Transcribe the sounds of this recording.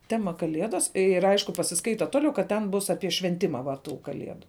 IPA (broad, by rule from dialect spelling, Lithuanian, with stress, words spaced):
ˈtʲæːmɐ kɐˈlʲiɛdɐs ɪr ˈɐɪʃkʊ pɐsʲɪˈskɐɪtɐ ˈtoːˌlʲɛʊ kɐt ˈtʲɛn ˈbʊs ɐpʲiɛ ʃʲʋʲɛnʲˈtʲɪmɐ ʋɐ ˈtuː kɐˈlʲiɛdʊ